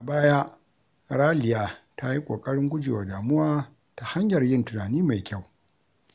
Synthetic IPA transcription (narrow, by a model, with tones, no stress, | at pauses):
baː˦ja˦ | ɽaː˦lɪ˨jaː˨ta˦ji˦kʷʼo̰ː˨kʼɐ˦ɽɪ˦ŋɡʷʊ˦d͡ʒɪ̰ː˨wa˨daː˨mʊ˦waː˦ | ta˨ha˦ɲjɐ˨rjɪ˦ntʊ˨naː˨niː˦ma˨jkʲa˦˨w